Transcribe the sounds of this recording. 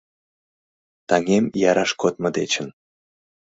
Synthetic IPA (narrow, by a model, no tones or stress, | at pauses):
t̪ɑŋemjɑɾɑʃkot̪̚mɤd̪et͡ɕən